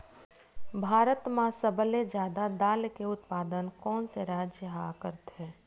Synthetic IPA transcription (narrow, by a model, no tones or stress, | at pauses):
bʱaːɾət̪mãsəbəled͡ʒjaːd̪ad̪aːlkeʊt̪paːd̪ənkɔːnseɾaːd͡ʒəɦakəɾt̪ɦɛː